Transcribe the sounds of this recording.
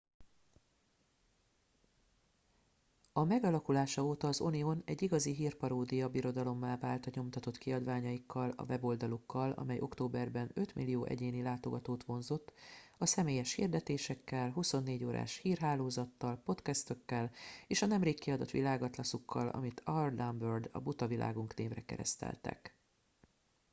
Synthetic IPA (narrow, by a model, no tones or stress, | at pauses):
ɒmɛɡɒlɒkulaːʃɒoːt̪ɒːzonio̞nɛɟːiɡɒziɦiːrpɒɾoːd̪ijɒbiɾo̞d̪ɒlo̞mːaːvaːlt̪ɒɲo̞mt̪ɒt̪o̞t̪kiɒd̪vaːɲɒjikʰːɒlɒ̰vɛbo̞ld̪ɒlukːɒlɒ̰mɛjʔo̞̰kt̪oːbɛrbɛnø̞t̪milːijoːʔɛ̰ɟeːnilaːt̪o̞ɡɒt̪oːt̪ʋo̞nzo̞t̪ːɒsɛmeːjɛʃhḭrd̪ɛt̪eːʃɛkːɛlɦuso̞nːeːɟoːɾa̰ːʃhiːrɦaːloːzɒt̪ːɒlpo̞t̪kɛst̪ø̞kːɛleːʃɒnɛmreːkːiɒd̪ɒt̪ʋḭlaːɡɒt̪lɒsukːɒ̰lʔɒ̰mit̪ʰɒrd̪ambørd̪ɒ̰but̪ɒvilʔa̰ːɡuŋkneːvrɛkɛ̰ɾɛ̰st̪ɛ̰lt̪ɛ̰k